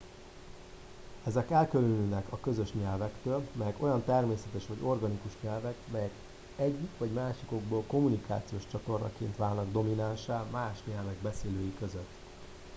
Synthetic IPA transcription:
ɛzɛkɛlkølønyːnɛkɒkø̞zøʃɲɛlvɛkt̪øːlmɛjɛko̞jɒnt̪ɛrmeːsɛt̪ɛʃʋɒɟo̞rɡɒnikuʃɲɛlvɛkmɛjɛk | ɛɟːikʋɒɟmaːʃiko̞ɡ̚boːlko̞munika̰ːt̪sijoːʃt͡ʃɒt̪o̞rnʔɒ̰keːnt̪ʋaːlnɒɡd̪o̞minanʃaːlmaːʃɲɛlvɛɡbɛseːløːjikøzøt̪ː

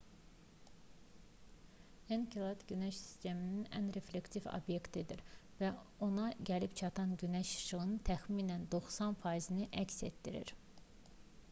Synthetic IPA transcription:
enkʰilˠat̪ɟynæʃsi̥st̪e̞mininæ̰nɾe̞fle̞kt̪ifo̰bje̞kt̪ʰid̪iɾvæo̞nɑɟælipt͡ʃʰɑt̪ʰɑnɟynæʃɯ̥ʃɯɣɯnt̪ʰæxminænd̪o̞χsɑnfɑizinɯʔæcse̞̰t̪d̪ḭɾḭɾ

